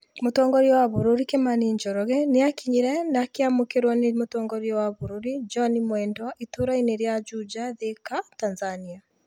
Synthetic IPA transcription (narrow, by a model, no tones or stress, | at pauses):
motɔːŋɡɔɾjɔwaβuɾuɾikemaniɲd͡ʒɔɾɔɣɛneakiɲiɾɛnakeamokeɾwanemotɔːŋɡɔɾjɔwaβuɾuɾid͡ʒɔnimwɛndwaʔitoɾaineɾjad͡ʒud͡ʒaðekatanzania